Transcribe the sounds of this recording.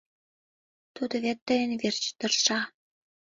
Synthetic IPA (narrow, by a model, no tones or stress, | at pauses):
t̪ud̪ɤ̆βet̪ːə̆ənvert͡ɕt̪ɤ̆rʃɑ